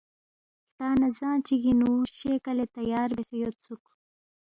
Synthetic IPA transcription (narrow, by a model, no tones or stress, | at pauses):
t̪ɑːnazɑːnt͡ʃiɡinuɕekalet̪ajɑːɾbesejot̪t͡suk